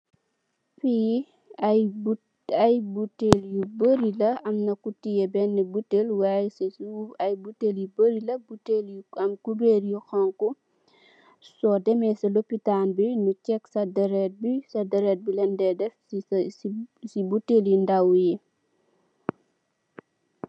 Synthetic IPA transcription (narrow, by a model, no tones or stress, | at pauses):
fi | ɐjbuteljubəɾilɐɐmnɐkutijɛbɛnːɛbutːelwaːjsiɐjbutːeljubəɾilɐbutelɐmkubeːɾjuxɐŋku | sɔdɛmɛsɐlopːitaːnbinucɛksɐdɐɾɛt̚bisɐdɐɾɛt̚bilɛndɛdɛfssibutːeːljundawji